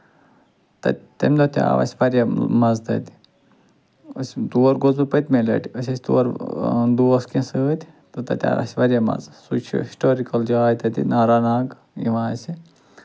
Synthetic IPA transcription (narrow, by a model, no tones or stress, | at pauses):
t̪ɐ̰t̪ɐ̰mʲd̪ɐt̪ʲa̰ːʋɐ̰sʲʋɐɾʲjamɐzt̪ɐ̰t̪ʲi | əst̪uɐɾɡozupət̪ʲmelɐ̰ʈiəsʲɐsʲt̪ṵɐɾd̪uɐskẽsɨːt̪ʲ | t̪ɐt̪ɐ̰t̪ʲa̰ːɾɐ̰sʲʋɐɾʲjamɐ̰zsṵt͡ʃʰɦisʈoːɾikɐld͡ʒaaːjt̪ɐt̪ḭnaːɾaːnaːɡ | ḭʋãːsʲi